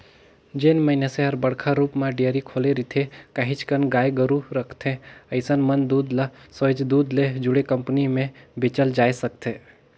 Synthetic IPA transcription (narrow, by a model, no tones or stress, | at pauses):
d͡ʒenməjnaseɦəɾbəɽkʰaɾupmãɖijəɾikʰoleɾit̪ʰekaɦit͡ʃkənɡajɡəɾuɾəkʰt̪ʰeəɪsənmənd̪ud̪lasəd͡ʒd̪ud̪led͡ʒuɽekəmpnimẽbet͡ʃəld͡ʒaːjsək̚t̪ʰe